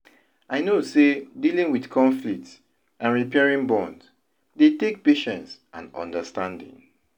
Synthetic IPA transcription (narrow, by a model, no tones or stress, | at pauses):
ʔaɪnosedilĩŋwidkʰɔ̃ɱflik̚ts | ʔãnɹipɛɹĩŋbɔ̃nd | detek̚peʃɛ̃nsʔã̰nɔ̰̃ndəstãndḭ̃ŋ